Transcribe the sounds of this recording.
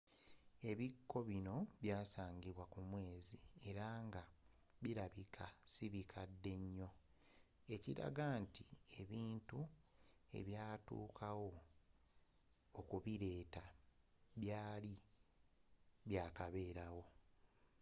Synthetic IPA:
e̞βikʰːo̞βino̞βjaːsaːɲɟiβwakumwe̞ːzie̞ɾaŋɡa | βiɾaβikʰasiβikʰadːe̞ɲːo̞ | e̞ciɾa̰ɡantie̞βiːntu | e̞̰βjaːtṵːkʰawo̞ | kuβiɾe̞ːta | βjaːli | βjaːkaβe̞ːɾawo̞

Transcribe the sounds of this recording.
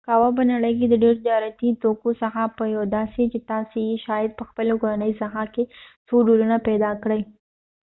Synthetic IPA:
kɑwap̬ənaɽəjk̬ed̪əɖeɾd͡ʒ̪jɑɾat̪it̪okosəxapəjawd̪ɑset͡ʃet̪ɑsejeʃɑjɪd̪̚pəxpəlokoɾanəjsaxakesoɖulunapɛd̪ɑkɽəj

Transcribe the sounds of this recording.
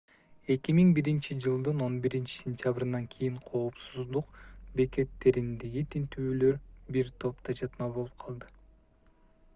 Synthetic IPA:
e̞kʲimiŋbiɾint͡ʃid͡ʒɯlˠd̪ɯno̞nbiɾint͡ʃi̥sʲenʲt̪ʲjabɾinɑŋkʰijiɴqʰo̞ːpsuzd̪uqbe̞ke̞t̪ːe̞ɾind̪e̞ɡit̪ʰint̪yːlø̞ɾbiɾt̪ʰo̞p̚t̪ɑd͡ʒɑt̪mɑβo̞lˠup̚qʰɑlˠd̪ɯ

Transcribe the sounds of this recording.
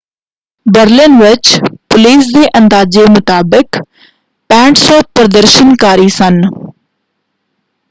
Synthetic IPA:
bəɾlɪnʋɪt͡ʃpʊliːsd̪eːʔənd̪aːd͡ʒeːmʊt̪aːbək | pɛ̃ːɳʈsɔːt̚pɾəd̪əɾʃənkaːɾiːsən

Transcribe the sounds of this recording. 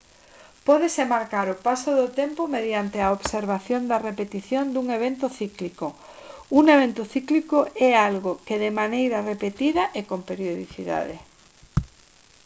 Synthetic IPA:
pɔðesemaɾkaɾʊpasoðʊt̪empomeðjant̪eaoβseɾβaθjond̪ɐrepet̪iθjond̪uŋeβ̞ent̪ʊθikliko | uŋeβ̞ent̪ʊθiklikoɛalɣokeðemanejɾɐrepet̪iðɐʔekompeɾjoðiθiða̰ðe

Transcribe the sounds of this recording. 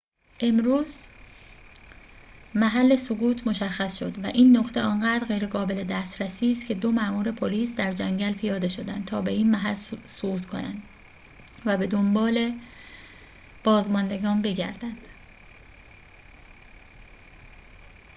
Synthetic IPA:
ʔe̞mɾuːz | mæɦælːe̞soɣuːt̪ʰmo̞ʃæxːæsʃo̞d̪væʔiːnːoχt̪ʰe̞ɒːnɢæːd̪ɾɣejɾeɣɒːbe̞le̞d̪æst̪ɾæsiːst̪̚cʰe̞d̪o̞mæʔmuːɾe̞pʰoliːsd̪æɾd͡ʒæŋɟælpʰijɒːd̪e̞ʃo̞d̪ænd̪t̪ʰɒːbe̞iːnmæɦælsoɡuːt̪kʰo̞̰næ̰nd̪ | væbe̞d̪o̞mbɒːle̞ | b̥ɒːzmɒnd̪e̞ɡɒːnbe̞ɟæ̰ɾd̪̥ænd̪̥

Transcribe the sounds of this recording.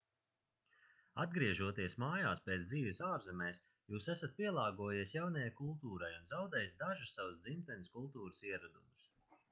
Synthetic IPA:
ad̪̚ɡɾiɛʒuɔt̪iɛsmaːjaːspɛt̪sd̪iːvɪsaːɾzɛmɛːs | juːsæsat̪̚pʲiɛlˠɑːɡuɔjiɛsjawnajajkulˠt̪uːɾajunzawd̪ɛːjsd̪aʒussːavusd̪zimt̪ɛnʲɪskulˠt̪uːɾɨsiɛɾud̪umɨs

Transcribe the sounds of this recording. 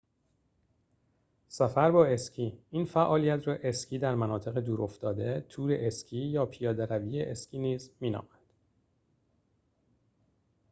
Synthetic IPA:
sæfæɾbɒːe̞scʰiːiːnfæʔɒːlijæt̪ʰrɒːʔe̞scʰiːd̪æɾmænɒːt̪ʰe̞ɣed̪uːɾʔo̞ft̪ɒːd̪e̞t̪ʰuːɾeʔescʰiːjɒːpʰijɒːd̪eɾæviːjeʔescʲʰiːniːzmiːnɒ̰ːmænd̪̥

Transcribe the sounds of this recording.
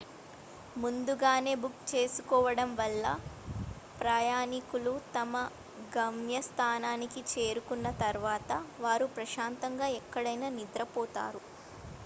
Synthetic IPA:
mund̪uɡaːne̞ːbukt͡ʃe̞ːsukɔːʋɐɽɐmʋɐlːɐ | pɾaːjaːnikulut̪ɐmɐ | ɡɐmjɐst̪ʰaːnaːnikit͡ʃe̞ːɾukunːɐt̪ɐɾʋaːt̪ɐʋaːɾupɾɐʃaːnt̪ɐŋɡaːɛkːɐɽɐjnaːnid̪ɾɐpɔːt̪a̰ːɾu

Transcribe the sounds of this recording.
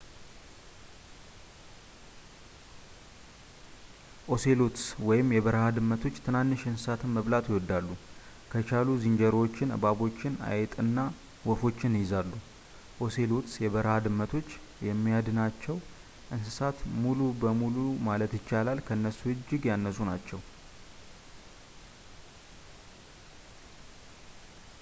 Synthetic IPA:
ʔo̞se̞lot̪swɔjɪmːjɛβəɾəhad̪ɨmːət̪ʰo̞t͡ʃːt̪ʰɨnanːɨʃɨnsɨsat̪ʰɨnməβlat̪jɪwɔd̪ːalːu | kʰət͡ʃʰaluziɲd͡ʒəɾwot͡ʃːɪnɨ̰baβo̞t͡ʃːɪna̰jɛt̪ʼɨnːa | wɔfo̞t͡ʃːɪnɨjɪzalːu | ho̞se̞lot̪sjɛβəɾəhad̪ɨmːət̪ʰo̞t͡ʃː | jɛmːijad̪nat͡ʃːɛw | ʔɨnsɨsat̪mulubəmulumalət̪jɪt͡ʃːalalkʰəɨnːəsuɨd͡ʒːɪɡjanːəsunat͡ʃːɛw

